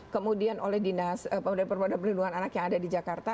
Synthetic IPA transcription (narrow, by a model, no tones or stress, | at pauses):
kəmudianʔolɛhdinasəpəudanpərpadanpərlinduŋananakjaŋadadid͡ʒakart̪a